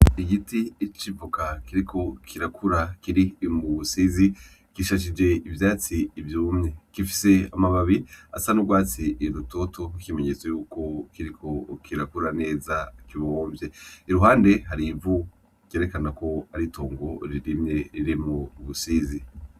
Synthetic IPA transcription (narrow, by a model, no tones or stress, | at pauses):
iɡitiːt͡ʃibokakiɾikʰo̞kʰiɾakʰuɾakiɾimuβusizi | kiʃaʃ̬id͡ʒe̞ivjaːt͡siːvjumɲe̞kifi̥se̞amaβaβia̰sanuɡwaːt͡siɾuto̞tʰokime̞ɲe̞t͡sejuːko̞kiɾikʰo̞kʰiɾakuɾane̞ːzakiβooːɱvje̞iɾuɦaːnde̞ɦaɾiɱvu | ɡ̥e̞ːɾe̞kanako̞aɾitʰo̞ːŋɡo̞ɾiɾimɲe̞ɾiɾimuβusiːzi